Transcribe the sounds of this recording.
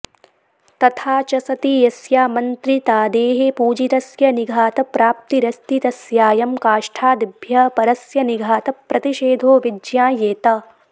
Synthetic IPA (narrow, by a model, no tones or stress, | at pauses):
t̪ɐt̪ʰaːt͡ʃɐsɐt̪ijɐsjaːmɐnt̪ɾit̪aːd̪eːɦepuːd͡ʒit̪ɐsjɐniɡʱaːt̪ɐpɾaːp̚t̪iɾɐst̪it̪ɐsjaːjɐmkaːʃʈʰaːd̪ibʱjɐpɐɾɐsjɐniɡʱaːt̪ɐpɾɐt̪iʃeːd̪ʱoːʋid͡ʒjãːjeːt̪ɐ